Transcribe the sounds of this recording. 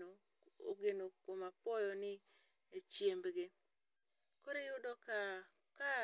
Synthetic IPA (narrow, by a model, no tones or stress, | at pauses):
o | o̰ɡenokomapɔjɔnɪ | et͡ʃjembɡe | koɾejʊdɔka | ka